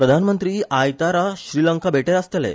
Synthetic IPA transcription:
pɾəd̪ʱanmənt̪ɾiːʔajt̪aɾaɕɾiːləŋkabʱeʈeɾast̪elḛ

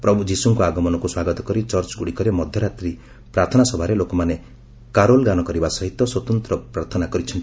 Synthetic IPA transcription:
pɾɔbʱud͡ʒisuŋkuaɡɔmɔnɔkuswaɡɔt̪ɔkɔɾit͡ʃɔɾt͡ʃɡuɽikɔɾemɔd̪ʱjɔɾat̪ɾi | pɾaɾt̪ʰɔnasɔbʱaɾelokɔmane | kaɾolɡanɔkɔɾibasɔɦit̪ːɔswɔt̪ɔnt̪ɾɔpɾaɾt̪ʰɔnakɔɾit͡ʃʰɔnʈi

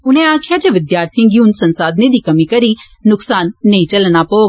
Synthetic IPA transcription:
ʊn̤ẽaːkʰjad͡ʑeʋɪd̪jaːɾt̪ʰĩɡijũnsɐ̃nsaːd̪ned̪iːkɐmikɐɾi | nʊksaːnːeĩt͡ɕɐlnapoː

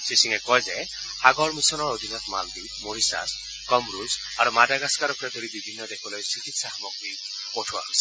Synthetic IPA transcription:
sisiŋɛkɔjze | aɡɔɹmisɔnɔɹod̪ʱinɔt̪maldi | moɹisa̰s | kɔmɾuz | aɾumadaɡaskaɾɔkɾɛd̪ʱoɾibibʱinːɔd̪ekʰɔlɔjsikit̪sahmɔkbi | poʈʰua̰s

